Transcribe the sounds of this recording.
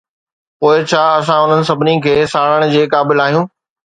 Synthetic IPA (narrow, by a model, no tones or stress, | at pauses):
poːɪt͡ɕʰaːɐs̬ãʊn̤ənɪ̆sɐbʱɪnikʰeːsaːɽəɽ̃̆d͡ʑeːkaːbɪlaːɦijũː